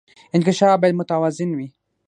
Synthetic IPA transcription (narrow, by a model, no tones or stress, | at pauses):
ɪnkɪʃɑfbɑjad̪̚mʊt̪awazɪnwi